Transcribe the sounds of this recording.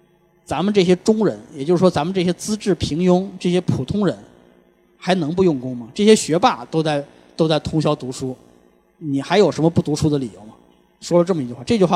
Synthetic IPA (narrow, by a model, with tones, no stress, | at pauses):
t͡sa˧˥mə˨nʈ͡ʂɤ˥˩ɕ̬jɛ˥ʈ͡ʂʊ˥ŋɻə˧˥njɛ˨˩t͡ɕo˥˧ʊʂɻ̩˥˩wɔ˥t͡sa˧˥mə˨˧ʈ͡ʂɤ˥˩ɕ̬jɛ˥t͡sɹ̩˥ʈ͡ʂɻ̩˥˩pʰi˧˥ŋjʊ˥ŋʈ͡ʂɤ˥˩ɕ̬jɛ˥pʰu˨˩t̪ʰʊ˥ŋɻə˧˥n | xa˧˥ɪnɤ˧˥ŋp̬u˧jʊ˥˩ŋkʊ˥ŋmɐ˨ʈ͡ʂɤ˥˩ɕjɛ˥ɕɥɛ˧˥pa˥˩t̪o˥ʊt͡sa˥˩ɪ | t̪o˥ʊt͡sa˥˩ɪt̪ʰʊ˥ŋɕjɑ˥ʊt̪u˧˥ʂu˥ | ni˨˩xa˧˥ɪjo˨˩ʊʂə˧˥mə˧pu˥˩t̪u˧˥ʂu˥d̪ə˨li˨˩jo˧˥ʊmɐ˨˩ | ʂwɔ˥lə˨˧ʈ͡ʂɤ˥˩mə˩i˧˥t͡ɕy˥xwa˥˧ʈ͡ʂɤ˥˧t͡ɕy˥˧xwa˥˩